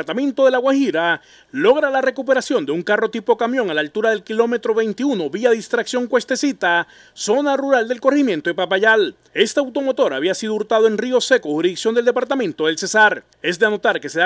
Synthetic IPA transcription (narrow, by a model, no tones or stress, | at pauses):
ɾt̪amẽnt̪o̞ðe̞laɣwaxiɾa | lo̞ɣɾalare̞kupe̞ɾasjo̞nd̪e̞uŋkaro̞t̪ipo̞kamjõ̞ŋalalt̪uɾaðelkilo̞me̞t̪ɾo̞βe̞jnt̪iuno̞βiaðist̪ɾaksjo̞ŋkwe̞st̪e̞sit̪a | so̞naruɾald̪e̞lkoreximje̞nt̪oepapaʝal | e̞st̪eawt̪o̞mo̞t̪o̞ɾaβiasiðouɾt̪aðoe̞nrio̞se̞ko̞huɾiiksjond̪eld̪e̞paɾt̪amẽ̞nt̪o̞ðe̞lse̞saɾ | e̞zd̪eano̞t̪aɾke̞seða